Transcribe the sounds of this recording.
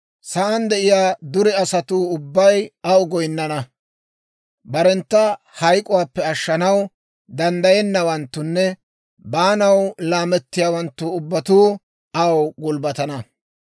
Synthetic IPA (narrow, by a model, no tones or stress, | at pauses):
sɐʔɐnd̪ɛʔɪjaːd̪ʊɾɛɐsɐt̪uːʊbːɐjɐwɡɔjnːɐnɐ | bɐɾɛnt̪ːɐ | hɐjkʼʊwaːpːɛɐʃːɐnɐw | d̪ɐnd̪ɐjɛnːɐwɐnt̪ːʊnːɛ | baːnɐwlaːmɛt̪ːɪjaːwɐnt̪ːʊʊbːɐt̪uː | ʔɐwɡʊlbɐt̪ɐnɐ